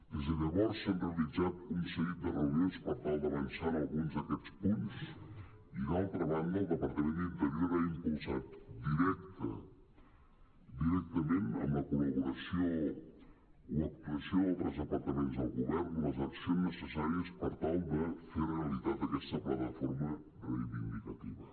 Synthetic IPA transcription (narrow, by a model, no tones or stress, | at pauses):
d̪ezanaβɔɾəsent̪ɾalid͡zat̪kumseɾit̪əreljozpaɾt̪awb̪ɐβansanalˠɡunzɐkɛspunt̪us | inalt̪ɾɐβand̪əd̪epaɾt̪ɐmenend̪aloɾaimpulzat̪ud̪iɾɛk̚t̪ə̰ | d̪iɾɛk̚t̪ɐmẽnt̪a̰mɐkulɐβuɾɐsio | wɐk̚t̪uɐsiõwot̪ɾɐzɐpɐɾt̪ɐmẽnzawɣuβɛɾnumɐzaksõnəsəsaɾiɐspɐɾt̪alˠd̪əfeɾreɐlˠizat̪ɐkɛst̪ɐplat̪ɐfoɾmɐ | reiβind̪ikɐt̪iβɐ